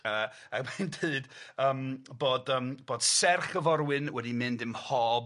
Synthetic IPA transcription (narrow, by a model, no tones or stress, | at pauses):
əː | abɛndʰɨɨd̥əːmboːdəːmb̥oːd̥sɛrχəvɔɾwɨnwɛdimɪndɪmhɔb